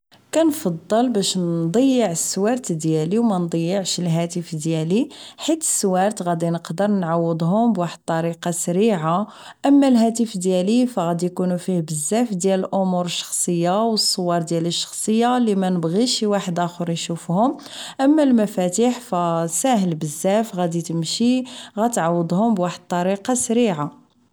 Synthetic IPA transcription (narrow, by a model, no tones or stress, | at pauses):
kænfɑd̪ˤːəlbæʃnd̪ˤəjːəʕəsːwɑɾˤt̪d̪jæliwmænd̪ˤəjːəʕʃəlɦæt̪əfd̪jæliħit̪ə̥sːwɑɾˤt̪ɣæd̪inəqd̪əɾˤnʕawːəd̪ˤɦʊmbwaħəd̪̚t̪ˤːɑɾiqɑsæɾiʕa | ʔəmːælɦæt̪əfd̪jælifæɣæd̪ijkunufihbəzːæfd̪jæləlʔʊmuɾəʃːɑ̥xsˤəjːawəsˤːowɑɾˤd̪jæləʃːɑ̥xsˤəjːalimænəbɣiʃiwaħəd̪ʔæxʊɾˤnʃufhʊm | ʔəmːælmæfæt̪iħfæsæɦəlbəzːæfɣæd̪it̪əmʃiɣæt̪ʕawːəd̪ˤhʊmbwaħəd̪̚t̪ˤːɑɾiqɑsɾiʕa